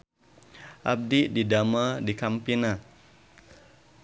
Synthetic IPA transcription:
ʔa̰b̚dididamadikampina

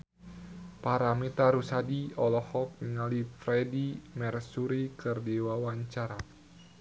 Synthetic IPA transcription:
paɾamit̪aɾusadiɔlɔhɔk̚niŋalifɾɛdimɛrsuɾikɨrdiwawaɲt͡ʃaɾa

